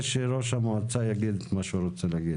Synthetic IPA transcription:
ʃeɾoʃhamoat͡sajaɡid̪maʃuɾot͡selaɡid̪

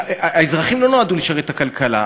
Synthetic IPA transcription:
aezʁaχimlo̞noaduliʃaʁet̪akalkʰala̰

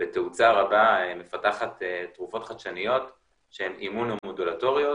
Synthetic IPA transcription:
b̥eteut͡saʁabaeme̞fataχatetʁufo̞tχaʃanijo̞t | ʃehemʔimunomodulato̞ʁio̞

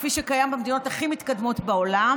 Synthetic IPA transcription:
fiʃekajambemd̪ino̞taχimit̪kad̪mo̞tbao̞lam

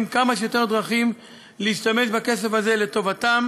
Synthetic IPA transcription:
mkamaʃjot̪eʁd̪ʁaχim | leiʃtame̞ʃbake̞s̬efhaze̞le̞to̞vatam

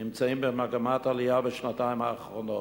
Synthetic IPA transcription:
ɪmt͡seɪmbəɾmaɡəmatalˠɪjabəʃnataɪmaχfɔnɔ

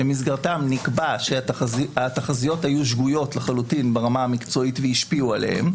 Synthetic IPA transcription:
bemis̬ɡaʁt̪amnikbaʃezat̪aχazijo̞thajuʃɡujo̞tleχalutinbeʁamaamikt͡so̞itveiʃpiualḛhḛm

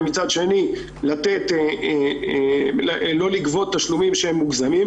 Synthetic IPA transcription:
mit͡sad̪ʃe̞ni | lat̪e̞t̪e | lo̞likvo̞t̪ːaʃlumimʃeemːuɡzamim

